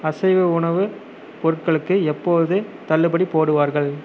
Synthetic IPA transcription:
ɐsɐɪʋɯʊɳɐʋɯ | pɔɾɯʈ̚kɐɭɯkːɯɛpːoːðɯt̪ɐlːɯbɐɽipoːɽɯʋaːɾɣɐɭ

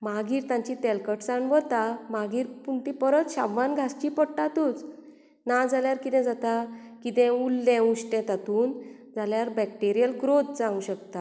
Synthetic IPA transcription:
maɡiːɾt̪ãɲt͡ɕit̪ɛlkəʈt͡saɳʋət̪amaɡiːɾpuɳt̪ĩpəɾət̪ɕabːãnɡʱast͡ɕiːpəɽʈat̪ut͡s | nad͡zaljaɾkit̪ɛ̃d͡zat̪a | kit̪ɛ̃ulːɛ̃uɕʈɛ̃t̪at̪uːn | d͡zʱaljaɾbɛk̚ʈeɾijəlɡɾot̪̚d͡zãũɕəkt̪a

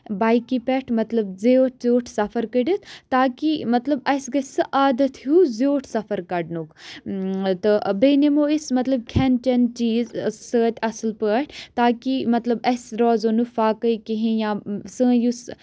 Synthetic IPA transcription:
baːjkipɛʈʰmɐt̪lɐbzeʈ̚ʰzoːʈʰsɐfʰɐɾkəɖət̪ʰt̪aːkimɐt̪lɐbɐsɡɐsɨʔaːd̪ɐt̪ʰjuzoːʈʰsɐfʰɐɾkɐɖnuk | t̪ɨbenemoːismɐt̪lɐb̚kʲʰɛnt͡ʃɐnt͡ʃiːzsəːt̪ʲɐsɨlpəːʈʰt̪aːkimɐt̪lɐbɐsɾɔːzonukfaːkəjkiɦẽjãːsɨ̃ːjus

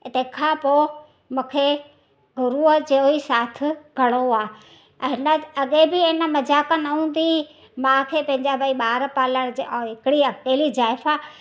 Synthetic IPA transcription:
t̪ekʰãpoː | mũːkʰe | ɡʱʊɾuəd͡ʑeoisaːt̪ʰɪ̆ɡʱɐɽ̃oaː | ɦɪnəɐɠebɪɐ̃nə̆mɐd͡ʑaːkənɐɦũːn̆d̪i | mãːkʰeːpɐ̃ɦɪ̃ɲd͡ʑabəiɓaːɾpaːləɽ̃d͡ʑɦɪkɪɽiɐkeːlizaːɪfaː

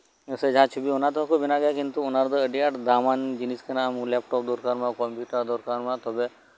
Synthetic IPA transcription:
esed͡ʒɦãt͡ʃʰubionat̪ɔakubinaɡɐjakint̪uʊnaɾd̪əəɖiaʈd̪aːmand͡ʒiniskenaːmlɛːp̚ʈɔp̚d̪ɔɾkanmãkɔmpjuːʈəɾd̪ɔɾkaːnmãt̪ɔbe

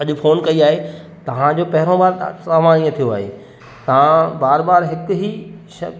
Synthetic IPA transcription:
ɐʄʊfoːnkɐiaːɦe | t̪ɐʋ̤ãd͡ʑoːpɐɦɪɾõbaːɾ̰aʋãːnĩːə̃t̪ʰijoaːɦḛː | t̪ɐʋ̤ãbaːɾbaːɾɦɪkʊɦi | ʃɐ̰

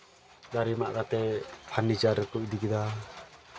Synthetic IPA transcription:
ɡaɾima̰ʔkat̪ɛpʰanid͡ʒaɾɛkuʔ̚ˀd̪ikɛd̪a

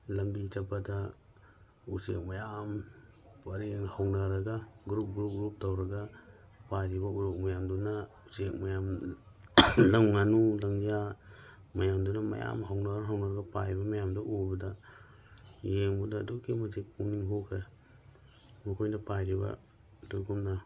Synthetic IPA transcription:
lɐmbit͡ʃɐpːadɐ | usek̚mɐjam | pɐɾeŋhɐwnaɾɐɡaɡɾup̚ɡɾup̚ɡɾup̚tʰawɾɐɡapajɾibɐuɾok̚mɐjamduna | usek̚mɐjam | lɐŋŋanulɐŋza | mɐjamdunamɐ̰ja̰mɦawnaɾɦawnaɾɐɡɐpajbɐmɐjamdɐʔubɐda | jeŋbɐdaːdokʰimɐsik̚uniŋɦokʰɾe | mɐkʰojdɐpajɾiba̰ | tokʰumna

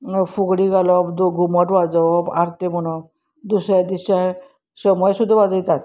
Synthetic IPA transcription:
fuɡɽiɡalɔbd̪ɡuməʈʋad͡zʋɔbaɾt̪emuɽ̃ɔ | d̪usɾjad̪iɕa | səmɔjsud̪ʱːaʋad͡zəjt̪at̪

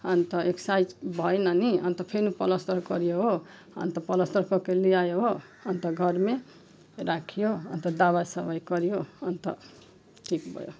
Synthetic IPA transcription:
ʌnt̪ʌeksajd͡zbʱʌenʌniʌnt̪ʌpʰenupʌlʌst̪ʌɾkʌɾijoɦo | ʌ̰nt̪ʌpʌlʌst̪ʌɾkʌkelijajoɦo | ʌnt̪ʌɡʱʌɾme | ɾakʰjoʌ̰nt̪ʌd̪aβasʌbʌjkʌɾijoʌnt̪ʌ̰ | ʈʰikbʱʌ̰jo̰

